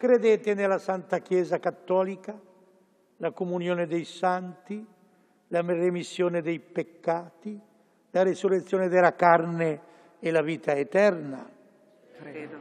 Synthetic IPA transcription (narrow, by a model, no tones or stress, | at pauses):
kɾed̪eːt̪enelasant̪akjɛːzakat̪ːɔːlika | lakomunjoːned̪ejsant̪i | lamremisːjoːned̪ejpekːaːt̪i | laɾisuret̪sːjoːned̪elakarne | elaviːt̪aet̪ɛrna̰